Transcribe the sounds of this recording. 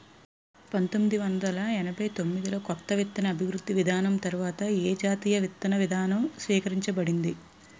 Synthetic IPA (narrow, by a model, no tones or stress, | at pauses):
pɐnt̪omːid̪iʋɐnd̪ɐlɐɛnɐbɐjt̪o̞mːid̪ilo̞ːkɔt̪ːɐʋit̪ːɐnɐːbʱiʋɾud̪ːiʋid̪ʱaːnɐmt̪ɐɾuʋaːt̪ɐeːd͡ʒaːt̪iːjɐʋit̪ːɐnɐʋid̪ʱaːnɐmsʋiːkɐɾiɲt͡ʃɐbɐɽind̪i